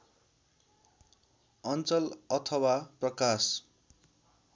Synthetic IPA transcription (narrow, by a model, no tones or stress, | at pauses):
ʌnt͡sʌlʌt̪ʰʌwaprʌkas